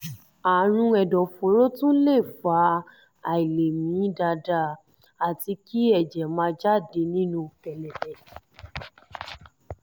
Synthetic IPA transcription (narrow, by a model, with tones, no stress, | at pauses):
a˨ɾ̃ũ˧ɛ˨dɔ̃˨fo˨˦ɾo˦tũ˦le˦˨fa˨˦ | a˨i˨le˨mĩ˨˦da˧da˧˦ | a˨ti˧ki˦ɛ˦˨d͡ʒɛ˨mãː˧˦d͡ʒa˦˨de˧˦nĩ˦nũ˧fɛ˨lɛ˨ɛ˨